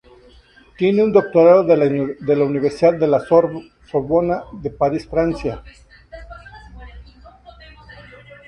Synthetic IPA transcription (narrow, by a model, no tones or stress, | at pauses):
t̪je̞neund̪o̞k̚t̪oɾaðoððelauniβeɾsiðad̪ːe̞lasoɾ | soɾβonaðe̞paɾisfɾansja